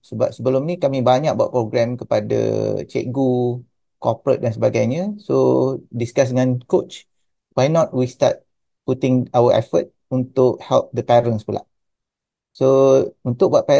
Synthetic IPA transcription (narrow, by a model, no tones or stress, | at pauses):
səba̰p̚səbəlʊmnikamĩbaɲak̚ba̰ʔ̚pɾoɡɾɛmkəpada̰t͡ʃɛ̰ʔ̚ɡu | kɔ̰pɾə̰t̪̚dansəbaɡajɲəsodiskas̬əŋɔ̃nkot͡ʃ | wajnɔt̪̚wist̪a̰t̪̚ | put̪ɪ̃ŋawəʔɛ̰fə̰t̪̚unt̪ʊʔhɛlp̚d̪əpɛɾənspəla̰ʔ | sount̪ʊk̚baʔpɛ